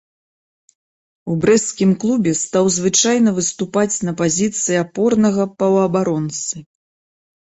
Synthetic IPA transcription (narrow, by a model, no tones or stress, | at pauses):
ubɾɛskʲimklˠubʲɛst̪awzvɨt͡ʂajnɐvɨst̪upat͡sʲnɐpazʲit̪sɨjiapɔrnɐɣɐpɐwɐbaɾɔnt̪sɨ